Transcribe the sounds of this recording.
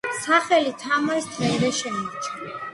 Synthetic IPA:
saχɛlit̪ʰamaist̪ʰɾɛɾɛʃɛmit͡ʃʰʼa

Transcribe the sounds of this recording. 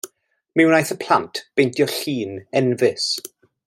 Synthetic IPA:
miwnajθəpʰl̥antʰb̥ejntjɔɬiːnɛnvɪs

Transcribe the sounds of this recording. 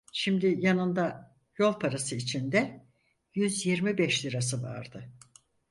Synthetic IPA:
ʃimd̪ɪjanɯnd̪a | jo̞lˠpʰaɾasɯit͡ʃʰind̪ɛ | jyzjiɾmibɛʃlʲiɾasɯva̰ɾd̪ɯ

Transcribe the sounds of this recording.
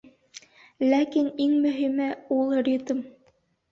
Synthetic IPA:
lækiniŋmɵ̆ɦimɘulˠɾʲit̪m

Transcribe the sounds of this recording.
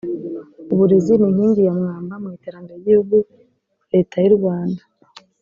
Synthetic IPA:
uβuɾeziniŋhiːndijamŋaːmbamŋiːteɾaŋɡaiɟihuɡu | ɾe̞ːtʰajuɾɡwaːnda

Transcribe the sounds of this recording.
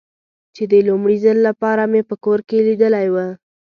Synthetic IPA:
t͡ʃed̪əlumɽizəlːapɑɾamepəkoɾkelid̪əlajwə

